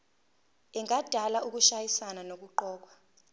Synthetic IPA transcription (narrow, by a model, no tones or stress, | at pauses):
ɛŋʱad̥ʱalauk̬uʃajisananok̬uǃɔːk̬wa